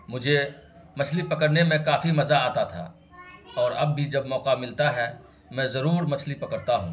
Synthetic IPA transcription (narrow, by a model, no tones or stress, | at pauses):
mʊd͡ʒʱe | mɐt͡ʃʰlipɐkəɾnemẽkaːfimɐzaaːt̪at̪ʰa̰ː | ɔːɾɐbːʱid͡ʒɐbmɔːqamɪlt̪aɦɛː | mɛ̃ːzɐɾuːɾmɐt͡ʃʰlipɐkəɾt̪aɦũ